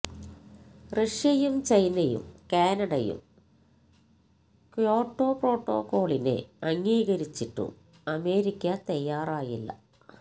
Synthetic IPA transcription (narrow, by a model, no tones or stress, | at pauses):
reʂjɐjumt͡ɕɐjnɐjṵmkaːnɐɽɐjṵm | kjoːʈːo̞ːpro̞ːʈːo̞̰ːko̞ːɭinḛɐŋːiːɣɐɾit͡ɕːiʈːṵ | ɐme̞ːɾikʲːɐt̪ɐjːaːraːjilːɐ̰